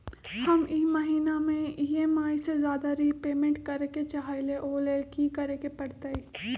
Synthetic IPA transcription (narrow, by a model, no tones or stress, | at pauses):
hɐmiːmɐɦiːnamẽieːmaːisezjaːd̪aɾipeːmẽɳʈkɐɾeket͡ʃaɦaːleʔoːleːlkikɐɾekepɐɽt̪ei